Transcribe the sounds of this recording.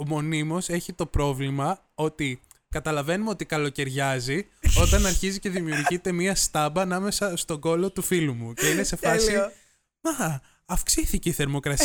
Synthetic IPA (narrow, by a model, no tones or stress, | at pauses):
omo̞nimo̞se̞çit̪o̞pɾo̞vlimɐ | o̞t̪i | kɐt̪ɐlɐve̞numeo̞t̪ikɐlo̞ce̞ɾʝɐzi | o̞t̪ɐnɐɾçizice̞ðimiuɾʝit̪e̞miɐst̪ɐbɐːnɐme̞sɐst̪o̞ɡo̞lo̞t̪ufilumuce̞ine̞se̞fɐsi | ɐx | ɐfksiθice̞iθe̞ɾmo̞kɾɐs